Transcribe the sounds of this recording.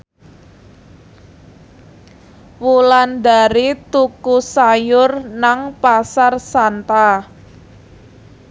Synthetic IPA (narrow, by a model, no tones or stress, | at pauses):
wuland̪a̤ɾit̪ukusajʊrnaŋpasarsant̪a